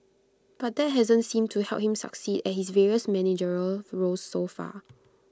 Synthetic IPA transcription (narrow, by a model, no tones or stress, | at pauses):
b̥at̚d̪ɛt̚ɦɛzə̃ntsĩmtʰuhɛ̰lp̚hĩmsə̰ksidɛt̚hisveɹiəsmɛnid͡ʒəɹəɹosːofa̰